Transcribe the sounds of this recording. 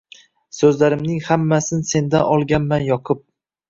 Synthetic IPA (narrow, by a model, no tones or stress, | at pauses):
sɵzlaɾɪmnɪŋhamːasɪnse̞nd̪a̰nɒlˠɡʲanmanjɒqʰʊp̚